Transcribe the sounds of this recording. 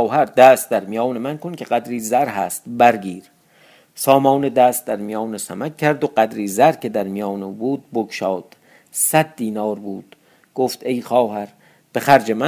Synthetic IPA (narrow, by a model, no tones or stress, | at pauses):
ɦæɾd̪æːst̪̚d̪æɾmijɒːnemænkʰonkʲʰe̞ɢæd̪ɾiːzæɾɦæːst̪bæɾɡiːɾ | sɒːmɒːned̪æːst̪̚d̪æɾmijɒːnesæmækʲcʰːæɾd̪oɢæd̪ɾiːzæɾkʰe̞d̪æɾmijɒːnuːbuːd̪̚bokʃɒːd̪̥ | sæd̪̚d̪iːnɒːɾbuːd̪̥ | ɡ̥oft̪e̞jχɒːɦæɾ | b̥exæɾd͡ʒemæ